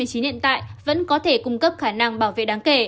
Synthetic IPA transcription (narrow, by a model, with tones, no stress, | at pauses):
ɨ˩əjt͡ɕi˨˦nhḭ˧˨ənt̪a̰ː˧˨jvə̰˧˥nkɔ˨˦t̪ʰe˧˩kʊ˧ŋ͡mkə˦˥p̚xaː˧˩na˧ŋɓaː˧˩wvḛ˧˨ɗaː˨˦ŋke˧˩